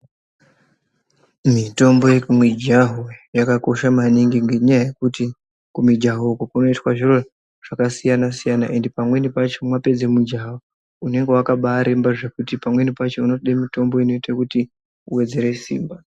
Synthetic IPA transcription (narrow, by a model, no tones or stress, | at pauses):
mito̞mbo̞jekumwid͡ʒaɦojakako̞ʃamaniŋɡiŋɡe̞ɲajaje̞kuti | kumid͡ʒaɦokokuno̞itwaʐiro̞ | ʐ̥akasijanasijana̰ʔe̞ndepamwe̞nipat͡ʃomwape̞d͡zemud͡ʒaɦo | une̞ŋɡe̞wakaɓaːɾembaʐe̞kutipamwe̞nipat͡ʃe̞uno̞ɗemito̞mbo̞ino̞itakuti | uwe̞d͡ze̞ɾe̞sḭːmba